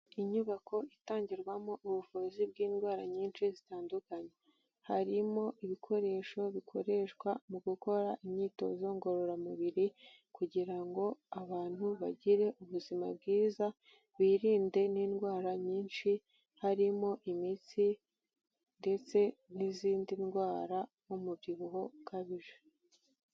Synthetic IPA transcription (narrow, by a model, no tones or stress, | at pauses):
iɲuβakʰo̞itaːɲɟiɾɡwamoʔuβuvuzib̚ɡiːnɡwaːɾaɲiːnʃizitaːndukaɲe | haɾimo̞ʔiβikʰo̞ɾe̞ʃo̞βikʰo̞ɾe̞ʃwamuɡuko̞ɾaʔimɲiːto̞̰zo̞ŋɡo̞ɾo̞ɾamuβiɾi | kuɟiɾaŋɡo̞aβaːn̥huβaɟiɾe̞ʔuβuzima̰b̚ɡiːza | βiːɾiːnde̞niːnɡwaːɾaɲiːnʃi | haɾimo̞ʔimit͡si | nde̞t͡se̞niziːndinɡwaːɾa | numuβjiβuho̞kaβiʒe̥